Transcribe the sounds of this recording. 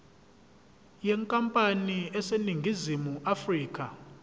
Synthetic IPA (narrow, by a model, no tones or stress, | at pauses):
jɛŋkʼampʼaniɛseniŋɡʱizimuʔafriːkʼa